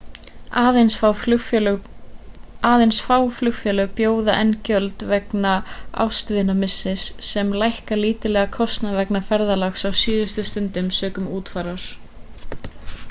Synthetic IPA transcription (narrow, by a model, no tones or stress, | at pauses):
aːðensfawl | aːðejnsfaːwflʏxfjɛːlʏɣpjoːwðaʔɛncœlt̪vɛknaa̰wst̪vɪnamɪsːɪsːɛmlajhkaliːt̪ɪlɛːɣakʰɔst̪navɛknafɛɾðalaxsawsiːðʏst̪ʏst̪ʏnt̪ɪmsœːkʏmuːt̪fajɾaɾ̥